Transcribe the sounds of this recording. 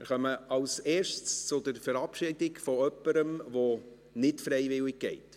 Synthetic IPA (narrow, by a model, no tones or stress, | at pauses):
mɪɾχœməɑlseːʃtst͡sʊdəɾfəɾɑpʃɪdɪɡfɔœpːəɾəmʋɔ | nɪtfɾɛjʋɪlɪɡ̚ɡ̥ɛɪt